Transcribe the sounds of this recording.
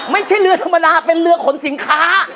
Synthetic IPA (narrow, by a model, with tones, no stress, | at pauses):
ma˥˩jt͡ɕʰa˥˩jɾɯ˧ɐt̪ʰa˧mːa˧daː˧pe˧nlɯ˧ɐkʰo˨˩˦nsi˩˦nkʰaː˦˥